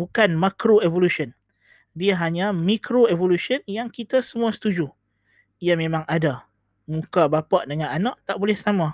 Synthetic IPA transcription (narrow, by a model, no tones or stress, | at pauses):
bukanmakɾoevolusən | diaɦaɲãmikɾoevolusiənjaŋkit̪asəmũasə̥t̪ud͡ʒu | jamẽmãŋada | mũkabapaʔdəŋananaʔt̪aʔbolɛhsama